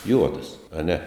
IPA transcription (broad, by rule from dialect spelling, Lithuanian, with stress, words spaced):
ˈjuɔdɐs ɐˈnʲɛ